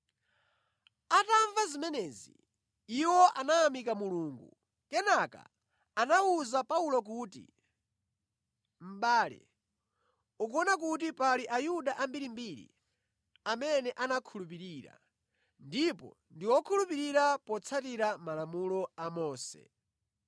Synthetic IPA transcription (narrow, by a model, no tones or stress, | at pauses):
ataɱvazimɛnɛːzḭ | iwɔʔanaːmikamuluːŋɡu | kɛnaka̰ː | nauzapaulɔk̬uːtḭ | m̩ɓaːlɛ̰ | ukɔnak̬ut̬ipaliʔajuɗaʔambiɾimbiɾḭ | amɛnɛʔanakʰulupiɾiːɾa̰ | ndipɔ̰ | ndiwɔkʰulupiɾiɾapɔt͡sʰatiɾamalamulɔamɔːsɛ̰